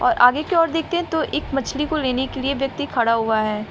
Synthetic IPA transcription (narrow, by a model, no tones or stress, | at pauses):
ɔ̰ːɾʔa̰ːɡekeɔːɾd̪eːk̚ʰt̪eɦɛ̃t̪oʔɪkmɐt͡ʃʰlikoleːnekelieʋjɐk̚t̪ikʰɐɽaɦuaɦɛː